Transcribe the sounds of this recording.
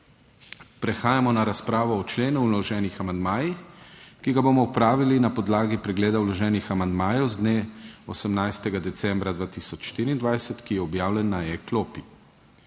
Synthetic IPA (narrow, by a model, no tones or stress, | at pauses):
pɾɛxaːjamɔnaɾaspɾaːʋɔːt͡ʃleːnuwlɔʒɛːnixamand̪maːjixkiɡabomɔupɾaːʋilinapɔd̪laːɡipɾɛɡleːd̪awlɔʒɛːnixamand̪maːjɛwzd̪neːɔsɛmnajst̪ɛɡad̪ɛt̪sɛ̃mbɾad̪ʋaːt̪isɔt͡ʃʃt̪iːɾiːnd̪ʋajsɛt̪kijɛɔbjaːwlʲɛnːaɛkloːpi